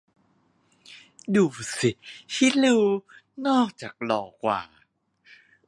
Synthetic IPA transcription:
duː˨˩si˨˩hʰi˧˥˩lɯ˧w | nɔː˥˩k̚t͡ɕaː˨˩k̚lɔː˨˩kwa̰ː˨˩

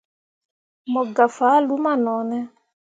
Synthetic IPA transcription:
mɔ˨ɡa˨fa˨˦lu˨˦ma˦˨nɔ˨˦nɛ˦

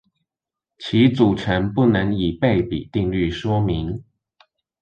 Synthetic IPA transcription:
t͡ɕʰi˧˥t͡su˨˩ʈ͡ʂʰə˧˥npu˥˩nə˧˥ŋi˨˩pe˥˩ɪpḭ˨˩t̪i˥˧ŋly˥˩ʂwɔ˥mi˧˦ŋ

